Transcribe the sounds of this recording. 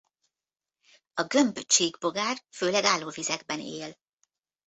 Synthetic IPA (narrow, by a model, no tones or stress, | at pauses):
ɒɡømbøt͡ʃeːɡbo̞ɡaːrføːlɛɡaːlːoːvizɛɡ̚bɛneːl